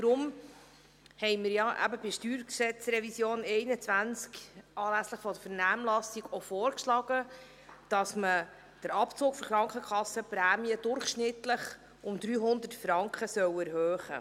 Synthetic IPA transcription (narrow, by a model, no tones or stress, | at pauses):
d̥ɾʊm | hɛɪmɪɾjɑʔæ̰bəbɪʃtyːɾksɛt͡sɾɛvisjoːnɛɪnət͡sʋænt͡skʔɑːlæsləχfɔd̥əfəɾnæːmlɑsiɡofoːɾkʃlɑɡ̥ə | d̥ɑsmə | d̥əɾɑpt͡soːkfɔɾχɾɑŋkχəkχɑsːəpɾæːmiəd̥ʊɾχʃnɪtləχ | ʔʊmd̪ɾyːɦʊnd̪ətfɾɑŋkχəsœwæɾhøːχə̰